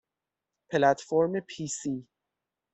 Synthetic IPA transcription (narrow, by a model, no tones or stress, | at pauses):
pʰelæt̪ʰfoɾmepʰiːsi